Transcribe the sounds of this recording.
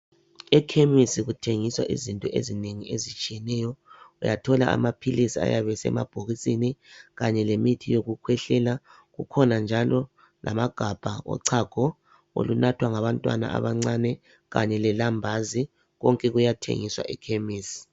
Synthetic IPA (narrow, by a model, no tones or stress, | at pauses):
ɛkʰemisiɣutʰeŋiswaʔḭzintʼɔʔḛzineŋiezit͡ʃʼijɛnɛjɔujatʰɔlaʔa̰mapʰilisia̰jaβɛsɛ̰mab̥ʱoɣisʼiniɣaɲɛlemitʰijoɣukʰwɛɬɛla | ɣukʰɔnand͡ʒʱalɔ | lʔa̰maɡ̥ʱab̥ʱaɔ̰ǀʰaɡ̥ʱɔ | o̰lunatʰwaŋaβantʼwa̰na̰ʔa̰βaŋ͡ǀanɛ | ɣa̰ɲɛlɛlambʱazi | ɣɔŋkʼɛɣujatʰḛŋiswa̰ʔɛkʰemiːsi̥